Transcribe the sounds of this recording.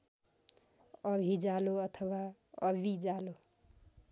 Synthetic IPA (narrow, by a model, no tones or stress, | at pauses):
ʌbʱid͡zaloʌt̪ʰʌwa | ʌbʱid͡zalo